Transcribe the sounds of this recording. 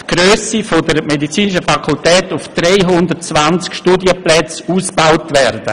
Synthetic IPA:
tɡ̥røːsifodəɾmedit͡siːnɪʃəfakʰultɛːtʊfd̥reɪɦʊndərtt͡svant͡skʃtuːdjəplɛt͡suːsb̥awtvɛrdə̰

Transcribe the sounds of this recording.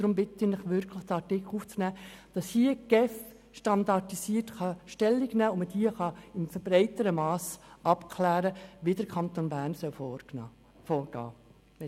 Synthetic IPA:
d̥ɾʊmbɪt̪ɪnɪχʋʏɾkʰləχtɑɾtɪkʰluːft͡snæːd̥ɑshiəɡ̥ɛf | ʃtɑnd̪ɑtisiːəɾtχɑʃtɛlːiɡnæːʊməd̥iəχɑɪmfəɾb̥ɾɛɪt̪əɾəmɑːsɑpkʰlæːɾəʋidəɾkʰɑnt̪onbæːɾnsœl | fɔːɾɡ̥ɑ̰ː

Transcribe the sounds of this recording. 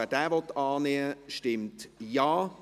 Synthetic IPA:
ɛd̥ɛːvɔt̪ɑːneːəʃtɪmtjɑː

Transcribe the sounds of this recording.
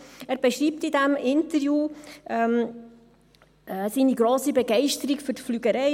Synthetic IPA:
æːɾb̥ɛʃɾiːp̚tidɛmʔɪntəɾjuːʔɛm | siːniɡɾoːsibɛɡɛɪʃtəɾikfɵɾtflyɡəɾɛɪ

